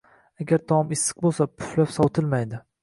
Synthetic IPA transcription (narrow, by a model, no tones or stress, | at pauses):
aɡʲaɾt̪ʰɒmɪsːɨ̥q̚bolˠsapʰʊ̥flapsɒwt̪ʰɪlmajd̪ɪ